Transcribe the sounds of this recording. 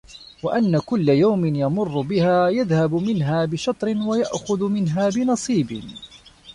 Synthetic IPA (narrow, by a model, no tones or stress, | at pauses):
waʔanːakʊlːajawmɪnjɑmʊrːʊbɪhaːjaðhabmɪnɦaːbɪʃɑt̪ˤɾɪnwajaʔxʊðmɪnɦaːbɪnɑsˤiːbɪ